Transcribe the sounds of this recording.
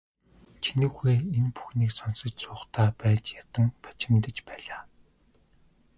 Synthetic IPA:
t͡ɕʰinŭwxeːenpu̥xniːksɔnsə̆t͡ɕsʊːχt̪ʰæːpæːt͡ɕjat̪ə̆ŋpḁt͡ɕɪ̆mt̪ə̆t͡ɕpæːɮaː

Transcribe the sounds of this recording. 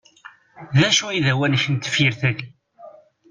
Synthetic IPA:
ðæʃuiðæwænçənt̪ːə̥fjiɾθæʝ

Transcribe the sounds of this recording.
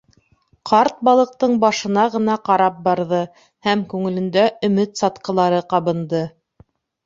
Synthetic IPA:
qʰɑɾt̪̚bɑlˠɤ̆q̚t̪ɤɴbɑʃɤ̆nɑʁɤ̆nɑqɑɾɑp̚bɑɾðɤ | hæmkʉŋɘ̆lɘ̆nd̪æʔɵ̆mɘt̪sɑt̪qɤ̆lˠɑɾɤqɑβɤ̆nd̪ɤ

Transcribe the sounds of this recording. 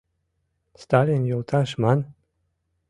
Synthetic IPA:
st̪alʲinjulˠt̪ʰaʃman

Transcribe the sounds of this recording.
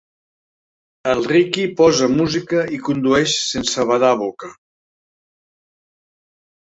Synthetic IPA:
əlˠrikipɔzəmuzikəikund̪uɛʃsensəβaðaβokə

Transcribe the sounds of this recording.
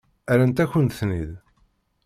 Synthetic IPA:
æɾænt̪æçənθnḭð

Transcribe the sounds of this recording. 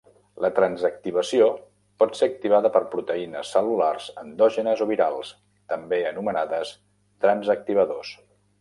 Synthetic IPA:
lət̪ɾənzək̚t̪iβ̞əsio | pɔt̪seək̚t̪iβaðəpəɾpɾut̪əinəsːəlularzənd̪ɔʒənəzoβiɾalˠs | t̪əmbeənumənaðəs | t̪ɾənzək̚t̪iβ̞əðos

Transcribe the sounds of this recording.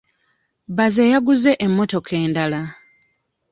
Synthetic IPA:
βazejaɡuze̞ʔemːo̞to̞kʰe̞ːndala

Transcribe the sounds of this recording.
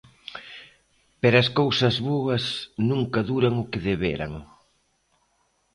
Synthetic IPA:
peɾɐskowsɐzβoɐsnuŋkɐðuɾɐŋʊkɪðeβeɾɐ̰ŋ

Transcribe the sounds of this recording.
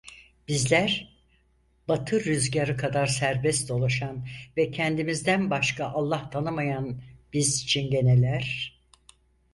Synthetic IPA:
b̥izlʲæɾ | bat̪ʰɯɾyzɟaɾɯkʰad̪aɾsæɾbɛst̪o̞lˠaʃanvɛcʰɛnd̪imizd̪ænbaʃkʰaʔalˠːaht̪ʰanɯmajanb̥izit͡ʃʰinɟe̞nelʲæɾ̥

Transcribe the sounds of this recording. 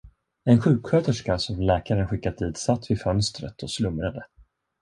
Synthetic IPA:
ɛnɧʉ̟ːkɧøːt̪əʂkasɔmlɛːkaɾənɧɪkːat̪̚d̪iːt̪sat̪ːvɪfœnst̪ɾə̰t̪ʰɔslɵmɾad̪ə

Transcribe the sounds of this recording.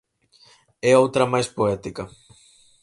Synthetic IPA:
ɛowt̪ɾɐmajspoɛt̪ikɐ

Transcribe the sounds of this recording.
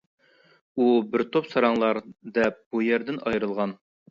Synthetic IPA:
ubɪɾt̪ʰopsɑɾɑŋlˠɑɾd̪ɛp̚b̥ujɛɾd̪ɪnɑjɾɨlˠʁɑn

